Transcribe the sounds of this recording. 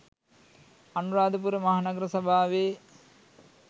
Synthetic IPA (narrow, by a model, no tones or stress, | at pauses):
anuɾaːd̪əp̬uɾəmaɦanɐɡɾəsabʱaːʋe